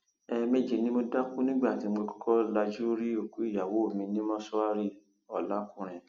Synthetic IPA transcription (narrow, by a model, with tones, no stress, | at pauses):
ɛ˧me˦˨d͡ʒe˧nĩ˦mo˧da˦ku˦nĩ˦ɡ͡ba˦˨ti˨˧m̩˦ɡ͡be˧kɔ̥˦kʰɔ˦la˧d͡ʒu˦ɾi˦o˨ku˦i˦˨ja˨wo˨˦o˦˨mĩ˧nĩ˦mɔ̃˦sɔ˦a˦ɾi˦˨ | ɔ˨la˨˦kũ˦˨ɾ̃ɛ̃˨